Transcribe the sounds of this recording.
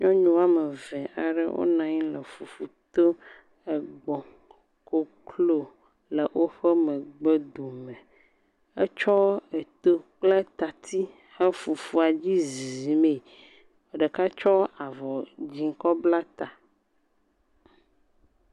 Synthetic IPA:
ɲɔ̃˦ɲũ˦a˦mə˨vɛ˨ʔa˨ɖə̰˦wʔo̰˦nã˨ɲ˦lə˨fu˨fu˨t̪o˦ | ɛ˨ɡ͡bɔ˨ | ko˦kʰlo˦ | lə˨ʔwʔo˦ɸɛ˦mɛ˨ɡ͡bə˦d̪u˨mɛ̃˨ | ɛ˦t͡ʃɔ˦ɛ˨t̪o˦k͡ple˦t̪a˨t̪ʰi˦ | hɛ˦fu˨fu˦a˨d͡ʑi˦zi˨me˨ | ə˨ɖə˨ka˦t͡ʃɔ˦a˨vɔ˨d͡ʑi˨ŋ̩˦kɔ˦bla˦t̪a˨

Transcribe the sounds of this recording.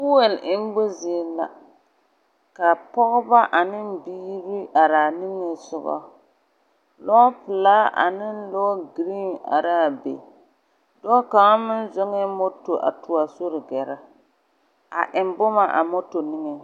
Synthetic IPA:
bʊ˦wɛ˨lʔɪ˦m˦bʊ˦zi˨la̰˨ | ka˨pɔ˦ɣʊ˦ba˦ʔa˨nɪ˦m˦biː˦ɾi˦ʔa˨ɾa˨nɪ˦ŋe˦sʊ˦bɔ̰˦ | lɔ˦pɨ˨laː˦ʔa̰˨nɪ˦n˦lɔ˦ɡɾi˦na̰˨ɾa˦˨bḛ˨ | dɔ˦ka˨ŋa˦mɪ˦n˦zʊ˦ŋɛ˦mo˦to˨ʔa̰˨tʊ˨a˨so˦ɾɪ˨ɡɛ˨ɾa˦ | a̰˨ʔɪ˨m˦bʊ˦ma˦ʔa̰˨mo˦to˨nɪ˦ŋe˨

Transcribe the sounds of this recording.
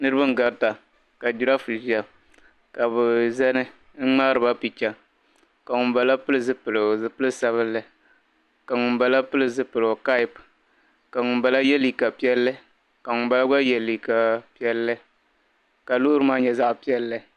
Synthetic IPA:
nɨ˦ɾɨ˦bɨ˦ŋ̩˦ɡa˨ɾta˨ | ka˨d͡ʒu˨ɾa˦fɨ˨ʒi˦a˨ | ka˨bʊ˨zɛ˦nɨ˦ | ŋ̩˦ŋ͡ma˦ɾɨ˨ba˦pi˨t͡ʃa˦ | ka˨ŋʊ˨mba˨la˦pɨ˦lɨ˦zɨ˦pɨ˨lɨ˨zɨ˨pɨ˦lɨ˦sa˦βɨ˦lːɨ˦ | ka˨ŋʊ˨mba˨la˦pɨ˦lɨ˦zɨ˦pɨ˨lka˦ɪ˦p | ka˨ŋʊ˨mba˨la˦jɛ˦li˨ka˨pi˦ɛ˦lːɨ˦ | ka˨ŋʊ˨mba˦la˦ɡ͡ba˦jɛ˨lːi˨ka˨pi˦ɛ˦lːɨ˦ | ka˨luː˦ɾɨ˦maː˦ɲɛ˨za˦ʔpi˦ɛ˦lːɨ˦

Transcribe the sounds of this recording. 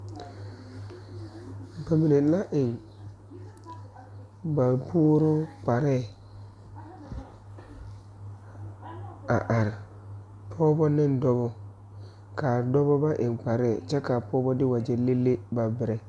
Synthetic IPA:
ba˨mi˨ne˨˦la˦ʔɪ˨ŋ | ba˨pʰuː˦ɾʊ˦k͡pa˨ɾɛː˦˨ | a˨ʔa˨ɾɪ˨ | pʰɔː˦bɔ˦nɪ˦n˦dɔ˦bɔ˦ | ka˨dɔ˦bɔ˦ba˦ʔɪ˨ŋk͡pa˨ɾɛ˦˨t͡ʃɛ˦ka˨pʰɔː˦bɔ˦dɪ˦wa˨d͡ʒɛ˦le˦lːe˦ba˨bɪ˨ɾɛ˨

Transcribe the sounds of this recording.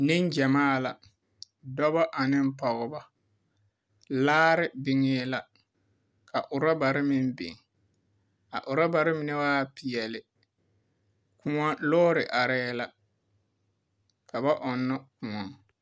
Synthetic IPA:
nɪ˦nd͡ʒa˨maː˦˨la˨ | dɔ˦ba˦ʔa˨nɪ˦m˦pɔ˨ɣʊ˨ba˦ | laː˦ɾɪ˦bɪ˦ŋɪː˦la˨ | kʰa˨ʔʊ˨ɾɔ˦ba˨ɾɪ˦mɪ˦m˦bɪ̰˨ŋ | a̰˨ʔʊ˨ɾɔ˦ba˨ɾɪ˦mɪ˦nɪ˦waː˦pɪ˨jɛ˨lɪ˨ | ku˦ŋɔ˦lɔː˦ɾɪ˨ʔa˨ɾɛː˦la˨ | ka˨ba˦ʔɔ˨nːɔ˦kʊ˨ŋɔ˨ŋ

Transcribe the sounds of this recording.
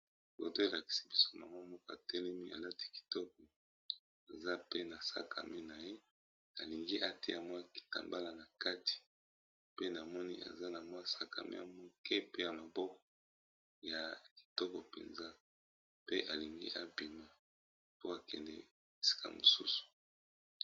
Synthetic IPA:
bo̰˨to˦e˨la˨ki̥˨si̥˨bi˦so̥˦ma˨ŋɡo˦mɔ˦kɔ˦a˨tɛ˦lɛ˦mi˦a̰˨la˦ti̥˦ki̥˨tɔ˦k̚ɔ˨ | e˨za˦pe˦na˨sa̰˦kʰa̰˨me˦na˨je˦ | a˨li˨ŋɡi˦ʔa˦te˦a˨mɔ˦ja˨ki̥˨ta̰˨mba˦la˨na˨ka˦ti̥˨ | pe˦na˨mɔ˦nḭ˦ʔa̰˨za˦na˨mɔ˦a˨sa˦ka̰˨mʔḛ˦ja̰˨mɔ˦kʰe˦pe˦ja˨ma˨bɔ˦kɔ˨ | ja˨ki̥˨tɔ˦kɔ˨pḛ˨nza˦ | pe˦ʔa˨li˨ŋɡḭ˦ʔa˦bi˨ma˨ | po˦a˨kɛ̰˨ndɛ̰˦ | e˨si̥˦ka̰˨mo˨su˦su̥˨

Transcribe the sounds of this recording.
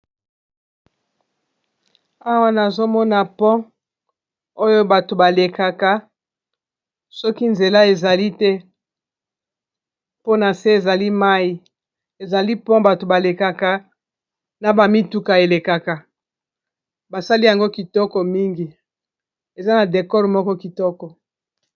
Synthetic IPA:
a˦wa˦na˨zo˦mɔ˦na˨pɔ̃˦ | o˦jo˦ba˨to˨ba˨le˨ka˨ka˨ | sɔ˦ki˦nze˨la˦e˨za˨li˦tɛ˦ | po˦na˨se˦e˨za˨li˦ma˦i˨ | e˨za˨li˦pɔ̃˦ba˨to˨ba˨le˨ka˨ka˨ | na˨ba˨mi˦tu˦ka˨e˨le˨ka˨ka˨ | ba˨sa˦li˦ja˨ŋɡo˦ki˨tɔ˦kɔ˨mi˦ŋɡi˨ | e˨za˦na˨de˨kɔ˦ʁmɔ˦kɔ˦ki˨tɔ˦kɔ˨

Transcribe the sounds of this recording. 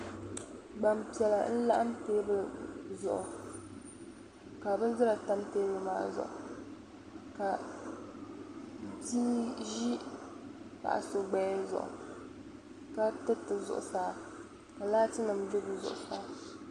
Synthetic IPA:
ɡ͡ba˨mpi˨ɛ˨la˨n̩˦la̰˦ʔa˦mteː˦bɨ˦zʊ̰˨ʔʊ˨ | ka˨bɨ˦zɨ˦ɾa˨ta˦mteː˦bɨ˨ma̰ː˨˦zʊ̰˨ʔʊ̰˨ | ka˨ | di˦ʒi˦ | pa̰˨ʔa̰˨so˨ɡ͡bɛ˦zʊ̰˨ʔʊ̰˨ | ka˦tɨ˦tɨ˨zʊ̰˨ʔʊ˨saː˦ | ka˨laː˦tɨ˦nɨ˨md͡ʒʊ˦bɨ˨zʊ̰˨ʔʊ˨saː˦

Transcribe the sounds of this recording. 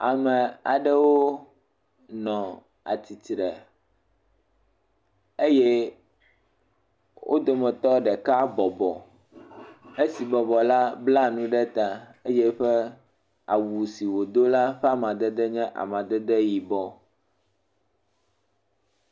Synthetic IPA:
a˨mɛ̃˨a̰˨ɖɛ˦wo˦ | nɔ̃˨ | a̰˨t̪i˨t̪ɾɛ˨ | e˦jɛ˦ | wʔo̰˦d̪o˨mɛ̃˨t̪ɔ˦ɖɛ˨ka˦bɔ˨bɔ˨ | e˦si˨bɔ˨bɔ˨la˦bla˦nũ˦ɖɛ˦t̪a˨e˦jɛ˦ɸɛ˦ | a̰˨wu˨si˨wo˨d̪o˦la˦ɸɛ˦a˦mã˨d̪ɛ˦d̪ɛ˦ɲɛ̃˦ʔa̰˨mã˨d̪ɛ˦d̪ɛ˦ji˨bɔ˦

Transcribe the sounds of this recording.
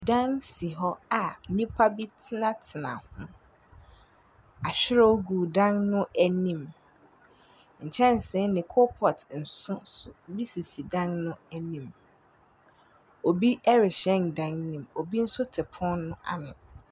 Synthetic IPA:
dã˦ŋsi˨ɦɔ˦a˨nĩ˦pʰa˦bi˦tʰɪ˦nã˦tʰɪ˨nã̰˨hʊ̃˦ | a˨ɕᶣɪ˦ɾɛ˦o˦ɡu˨dã˦ŋnʊ̃˦ʔɛ˨nĩ˦˨m | ɲ̩˨t͡ɕʰɛ̃˦n˨sɪ̃˦nɪ̃˨kʰo˦pʰɔ˨tn̩˨sʊ̃˦ʊ˦bi˦si˨si˨dã˦ŋnʊ̃˦æ˨nĩ˦˨m | o˨bi˦ɛ˦ɾɪ˨ɕɛ̃˦ndã˦ŋnĩ˨mo˨bi˦n̩˦sʊ˦tʰɪ˨pʰɔ̃˦nnʊ̃˦ʔa̰˨nʊ̃˨

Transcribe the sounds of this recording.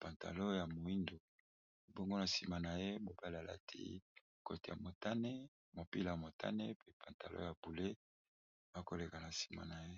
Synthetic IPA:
pa˨nta̰˨lo˦ja˨mo˨i˦ndo˨ | bo˦ŋɡo˦na˨si˨ma˨na˨je˦mo˨ba˦la˨la̰˦tʰḭ˦˨ | ko˦te˨ja̰˨mo˨ta˦ne˦ | mo˨pi˦la˨ja˨mo˨tʰa̰˦ne˦pe˦pʰa˨nta˨lo̰˦ja˨b̥u˨le˦ | ba˦ko˦le˨ka˨na˨si̥˨ma̰˨na˨je˦

